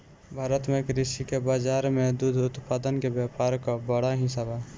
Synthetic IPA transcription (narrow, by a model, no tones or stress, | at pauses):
bʱaɾət̪mekɾisikebad͡ʒaɾmed̪ud̪ʱʊt̪pad̪ənkebjapaɾkɔbəɽaɦĩsabʱa